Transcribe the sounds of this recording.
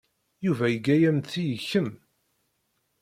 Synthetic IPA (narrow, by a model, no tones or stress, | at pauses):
juvæjəɡæjæmθijəçːəm